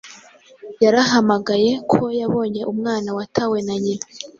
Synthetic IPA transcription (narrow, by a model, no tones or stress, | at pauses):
jaɾaɦamaɡaje̞kʰo̞jaβo̞ːɲe̞ʔumŋaːnawatʰawe̞naɲina